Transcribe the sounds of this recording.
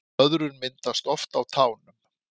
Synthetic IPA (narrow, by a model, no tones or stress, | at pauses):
œðɾʏɾmɪnt̪ast̪ɔft̪awt̪ʰaːwnʏm